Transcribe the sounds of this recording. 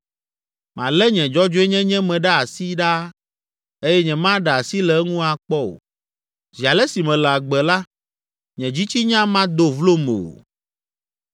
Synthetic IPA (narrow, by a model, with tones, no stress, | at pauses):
mã˨lɛ˦ɲɛ̃˨d͡ʒɔ˦d͡ʒo˦ɛ˦ɲɛ̃˦ɲɛ̃˦mɛ̃˨ɖa˦a˨si˦ɖa˦ | e˦jɛ˦ɲɛ̃˨mã˦ɖa˨a˨si˦lɛ˨˦ŋũ˦a˨k͡pɔ˦o̰˨ | zi˨a˨lɛ˦si˨mɛ̃˨lɛ˨a˨ɡ͡bɛ˨la˦ | ɲɛ̃˨d͡ʑi˦t͡ɕi˦ɲã˦mã˦d̪o˨vlo˦me˨o̰˨